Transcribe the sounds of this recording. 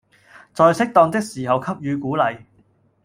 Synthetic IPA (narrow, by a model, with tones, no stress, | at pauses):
t͡sɔː˨˧jsɪ˥k̚t̪ɔː˧ŋt̪ɪ˥k̚siː˨˩hɐ˨wkʰɐ˥p̚jyː˨˧kuː˨˥lɐ˨j